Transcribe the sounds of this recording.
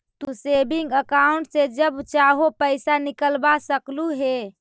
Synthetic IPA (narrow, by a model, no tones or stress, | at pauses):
t̪usebiŋɡəkauɳʈsed͡ʒəbt͡ʃaɦopəɪsanikəlbasəkluɦe